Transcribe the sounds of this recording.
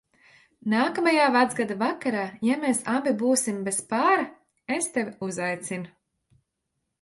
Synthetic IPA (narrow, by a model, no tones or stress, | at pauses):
naːkamajaːvad̪zɡad̪avakaɾaːjameːsabibuːsimbespaːɾa | est̪evʲuzajt̪sin